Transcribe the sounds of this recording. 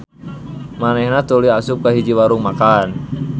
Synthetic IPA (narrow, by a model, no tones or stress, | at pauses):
manɛhnat̪uliasup̚kaɦid͡ʒiwaɾuŋmakan